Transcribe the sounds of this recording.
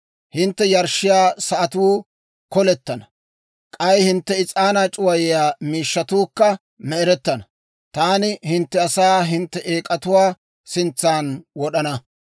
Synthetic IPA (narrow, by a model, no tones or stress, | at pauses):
hɪnt̪ːɛjɐɾʃːɪjaːsɐʔɐt̪uː | kɔlɛt̪ːɐnɐ | kʼɐjhɪnt̪ːɛɪt͡sʼaːnaːt͡ʃʼʊwɐjɪjaːmiːʃːɐt̪uːkːɐ | mɛɛɾɛt̪ːɐnɐ | t̪aːnɪhɪnt̪ːɛɐsaːɦɪnt̪ːɛʔeːkʼɐt̪ʊwaː | sɪnt͡sːaːnwɔɗɐnɐ